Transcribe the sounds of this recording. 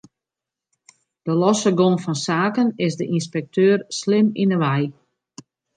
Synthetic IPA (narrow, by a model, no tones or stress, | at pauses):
d̥əlɔsəɡonfɔnsaːkənɪsdəʔinspɛk̚tʰøːrslɪminəʋɛj